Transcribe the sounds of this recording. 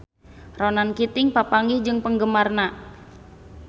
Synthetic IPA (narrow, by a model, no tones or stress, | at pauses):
ronankit̪ɪŋpapaŋɡihd͡ʒɨŋpəŋɡəmarna